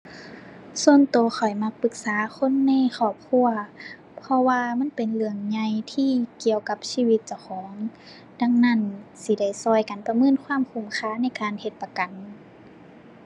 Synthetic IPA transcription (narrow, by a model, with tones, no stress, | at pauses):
su˧ənt̪oː˧˦xʰɔ˨˩jma˧k̚pɯ˧˦k̚saː˨˦xʰo˧˥˨nːɛː˧˥˨xʰɔː˧˩p̚kʰu˧˩ɐ | pʰɔ˧waː˧ma˧˥˨npe˨nlɯ˧˩əŋɲa˧jt̪ʰiː˧˥˨ki˨˧˨əwka˧˥p̚siː˧˨wi˧˦t̪̚t͡ɕa˧˩wxʰɔː˨˦ŋ | da˧˥˨ŋna˧˥˩nsi˧˦da˧˩jsɔː˧˩jka˨npa˧mɤː˧˥˨nkʰwaː˧˥˨mkʰu˧˩mxʰaː˧˥˨na˧˥˩jkaː˨nhe˧t̪̚pa˧ka˨n